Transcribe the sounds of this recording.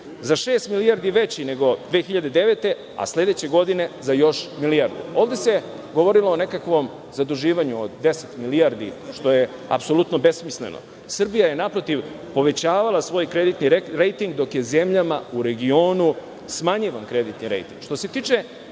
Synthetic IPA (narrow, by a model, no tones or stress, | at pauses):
zaʃe̞ːst̪milijaɾd̪iʋe̞t͡ɕine̞ɡo̞d̪ʋeːxiʎad̪e̞d̪e̞ʋe̞t̪e̞ | a̰sle̞d̪et͡ɕe̞ɡo̞d̪ine̞zajo̞ʃmiliaɾd̪ṵo̞ːʋd̪e̞se | ɡo̞ʋo̞ɾilˠoone̞kakʋo̞m | zad̪uʒiːʋaɲuod̪ːe̞set̪miliaɾd̪iʃt̪o̞je | a̰pso̞lˠut̪nobe̞smislḛno̰ | sr̩bijajenapɾo̞t̪iʋ | po̞ʋe̞t͡ɕaːʋalˠasʋo̞ːjkɾed̪it̪niɾejt̪iŋɡd̪o̞kjeze̞mʎamauɾe̞ɡio̞ːnu | smaɲiʋankɾe̞d̪it̪niɾḛjt̪ḭŋɡ̥ʃt̪o̞se̞t̪iːt͡ʂe